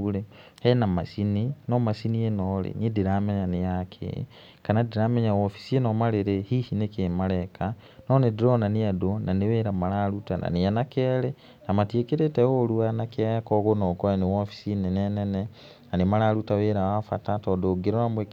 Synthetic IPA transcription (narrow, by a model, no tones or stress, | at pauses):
uɾehɛnama̰sininɔmasinienɔlḛnediɾamɛɲanejakʰḛ | kanadiɾamɛɲawofi̥sienɔmaɾeɾehihinekemaɾɛka | nɔnediɾɔnaneadonaneweːɾamaɾaɾutana̰nejanakɛɾɛ | namatiekeɾetɛoluanakeaakɔɣonɔkɔenewofi̥sinenɛnɛnɛ | nanemaɾaɾutaweːɾawafa̰tatɔdoɡeɾɔamwe